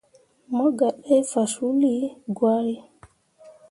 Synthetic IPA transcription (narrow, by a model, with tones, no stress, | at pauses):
mɔ˦ɡa˨ɗɛ˦fa˨su˦li˦ɡwa˦ɾi˦